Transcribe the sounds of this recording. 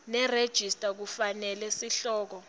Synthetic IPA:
nɛred̥ʒ̥ʱistʼak̬ufanɛlɛsiɬɔːk̬ɔ

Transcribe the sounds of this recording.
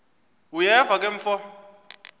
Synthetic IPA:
ujɛvakʼeɱ̩fɔ

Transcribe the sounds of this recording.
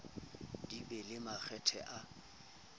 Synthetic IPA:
d̥ibɛlɪmak͡xʰɛtʰɛ̰ʔa

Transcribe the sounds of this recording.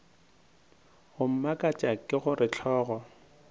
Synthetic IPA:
ɣʊm̩makʼat͡ʃʼakʼɪɣʊrɪt͡ɬʰɔːɣɔ

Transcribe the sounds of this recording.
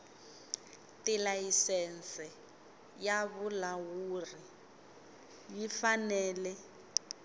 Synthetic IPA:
tilajisɛnsɛ | jaβulawuːri | jifanɛːlɛ

